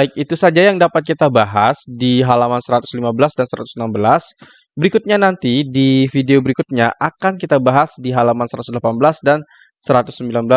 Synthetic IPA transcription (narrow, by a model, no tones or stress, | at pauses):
bɪk̚it̪usad͡ʒajaŋdapat̪̚kit̪abaɦasdiɦalamansəɾat̪ʊslimabəlasdansəɾa̰t̪u̥snambəlas | bəɾikʊt̪̚ɲanant̪idifideobəɾikut̪̚ɲaʔakankit̪abaɦasdiɦalamansəɾat̪ʊ̥sdəlapanbəlasdan | səɾat̪ʊ̥sːəmbilanbəla